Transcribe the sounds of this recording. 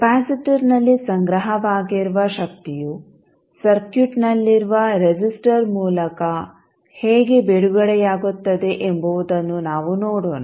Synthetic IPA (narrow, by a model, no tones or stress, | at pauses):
paːsɐʈuɾnɐlːisɐŋɡɾɐɦɐʋaːɡiɾuʋɐʃɐkt̪iju | sɐɾkjuʈnɐlːiɾuʋɐɾed͡ʒisʈɐɾmuːlɐkɐ | heːɡebeɽuɡɐɽɛjaːɡut̪ːɐd̪e̞ʔembuʋud̪ɐnːunaːʋunoːɽoːna